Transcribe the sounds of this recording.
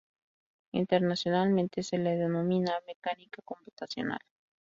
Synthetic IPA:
ḭnt̪e̞ɾnasjo̞nalmẽnt̪e̞se̞leðeno̞mĩname̞kanikako̞mput̪asjo̞̰na̰l

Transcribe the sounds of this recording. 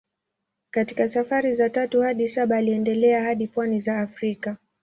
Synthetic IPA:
katikasafaɾizatatuhaɗisaɓaːliɛndɛlɛahaɗipwanizaːfɾika

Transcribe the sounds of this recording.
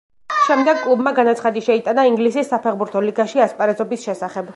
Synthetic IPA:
ʃɛmd̪ɛɡ̚kʼlˠubmaɡanat̪sʰχad̪iʃɛit̪ʼanaiŋɡlisisːapʰɛʁbuɾt̪ʰɔliɡaʃiaspʼaɾɛzɔbisʃɛsaχɛb

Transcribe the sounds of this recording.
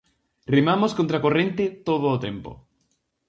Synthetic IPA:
remamoskont̪ɾakorẽnt̪et̪oð̞oːt̪ḛmpo̰

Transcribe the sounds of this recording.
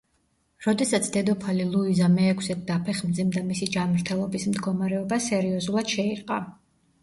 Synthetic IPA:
ɾɔd̪ɛsat̪sʰd̪ɛd̪ɔpʰalilˠuizamɛːkʰsɛt̪̚d̪apʰɛχmd̪zimd̪amisid͡ʒanmɾt̪ʰɛlˠɔbismd̪ɡɔmaɾɛɔbasɛɾiɔzulˠad̪̥ʃɛiɾqʼa̰

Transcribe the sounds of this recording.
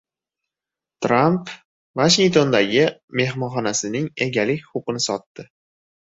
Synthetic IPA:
t̪ɾamp | vaʃiŋkt̪ʰo̞nd̪aɡʲɪme̞hmɒnχɒnasɪnɪŋe̞ɡʲalɪkʲχʊpɨnɪsɒt̪ːɪ

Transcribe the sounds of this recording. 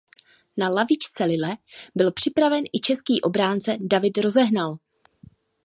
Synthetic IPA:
nalavɪt͡ʃt͡sɛlɪlɛbɪlpr̝̥ɪpɾavɛnʔɪt͡ʃɛskiːʔo̞bɾaːnt͡sɛdavɪt̪ɾo̞zɛɦnal

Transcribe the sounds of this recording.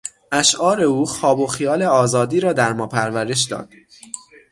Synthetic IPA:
ʔæʃʔɒːɾe̞uːxɒːbo̞xijɒːle̞ɒːzɒːd̪iːɾɒːd̪æɾmɒːpʰæɾvæɾe̞ʃ̬d̪ɒ̰ːd̪̥

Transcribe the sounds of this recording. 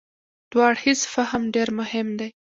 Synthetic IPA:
d̪̥wɑɽhisfahamɖeɾmʊhɪmd̪aj

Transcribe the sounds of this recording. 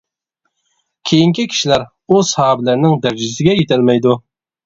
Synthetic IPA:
kʲʰejiŋkʲʰikʲʰi̥ʃilæɾ | ushɑːbɪlæɾnɪŋd̪æɾd͡ʒisɪɡʲɛjet̪ʰɪlmɛjd̪u

